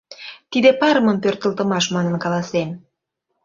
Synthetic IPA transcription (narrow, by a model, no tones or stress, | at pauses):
t̪id̪epɑɾəməmpørt̪ə̆lt̪əmɑʃmɑnənkɑlɑsem